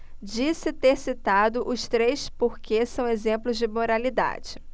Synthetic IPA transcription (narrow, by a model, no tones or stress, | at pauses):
d͡ʒisɪt̪eɾsit̪ad̪ʊʔʊst̪ɾejspoɾkʰesɐ̃w̃ezẽmplʊzd͡ʒɪmoɾalid̪a̰d͡ʒɪ